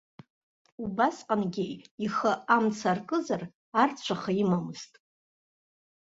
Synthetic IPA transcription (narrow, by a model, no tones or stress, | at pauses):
ubasqʼanɡʲejiχəamt͡sʰarkʼɨzar | art͡ɕʷʰaχaimamɨztʼ